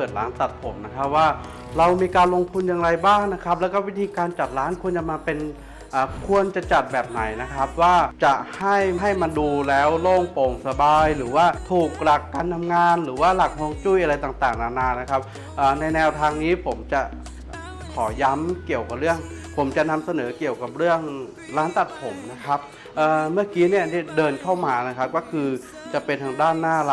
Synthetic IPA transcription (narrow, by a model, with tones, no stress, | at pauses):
pɤː˨˩t̪̚laː˦˥nt̪a˨˩t̪̚pʰo˩˦mna˦˥kʰa˦˥p̚waː˥˩ | ɾa˧wmiː˧kaː˧nlo˧ŋt̪ʰu˧njaː˧ŋɾa˧jbaː˥˩ŋna˦˥kʰa˦˥p̚lɛː˦˥wkɔː˥˩wi˦˥t̪ʰiː˧kaː˧nt͡ɕa˨˩t̪̚laː˦˥nkʰu˧ənt͡ɕa˨˩maː˧pe˧n | ʔaː˨˩kʰu˧ənt͡ɕa˨˩t͡ɕa˨˩t̪̚bɛː˨˩p̚na˨˩˦jna˦˥kʰa˦˥p̚waː˥˩t͡ɕa˨˩ʔha˥˩jɦa˥˩jma˧nduː˧lɛː˦˥wloː˥˩ŋpo˨˩ŋsa˧baː˧jlɯː˩˦waː˥˩t̪ʰuː˨˩k̚ɾa˨˩kːaː˧nt̪ʰa˧mŋaː˧nɾɯː˩˦waː˥˩la˨˩k̚hoː˧ŋt͡ɕu˥˩jʔa˧ɾa˧jt̪aː˨˩ŋt̪aː˨˩ŋnaː˧˩naː˧na˦˥kʰa˦˥p̚ | ʔəː˨˩na˧jnɛː˧wt̪ʰaː˧ŋniː˦˥pʰo˩˦mt͡ɕa˨˩ | kʰɔː˩˦ja˦˥mki˨˩əwka˨˩p̚ɾɯ˥˩əŋpʰo˩˦mt͡ɕa˨˩na˧msa˧nɤː˩˦ki˨˩əwka˨˩p̚ɾɯ˥˩əŋ | laː˦˥nt̪a˨˩t̪̚pʰo˩˦mna˦˥kʰa˦˥p̚ | ʔəː˨˩mɯ˥˩əkiː˦˥ni˥˩əni˥˩ədɤː˧nkʰa˥˩wmaː˧na˦˥kʰa˦˥p̚kɔː˥˩kʰɯː˧ | t͡ɕa˨˩pe˧nt̪ʰaː˧ŋdaː˥˩nːaː˥˩la˦